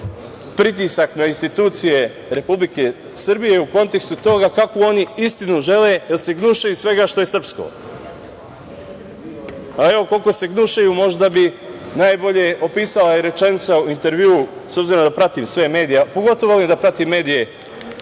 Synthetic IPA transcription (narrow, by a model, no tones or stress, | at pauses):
pɾit̪̬isaknainst̪it̪uːt̪sije̞ | ɾe̞publike̞ | sr̩bije̞uko̞nt̪e̞kst̪ut̪o̞ɡakakoo̞niist̪inuʒe̞le̞jelse̞ɡnuʃajusʋe̞ɡaʃt̪o̞jesr̩psko̞̰ | ae̞ʋo̞ko̞lko̞se̞ɡnuʃajumo̞ʒd̪abi | naːjbo̞ʎeʔo̞piːsalaeɾe̞t͡ʃe̞nit̪sauint̪e̞ɾʋjuːuso̞bziɾod̪apɾat̪iːmsʋe̞me̞ːd̪ijapoɡo̞t̪oʋolimd̪apɾat̪imːe̞ːd̪ije̞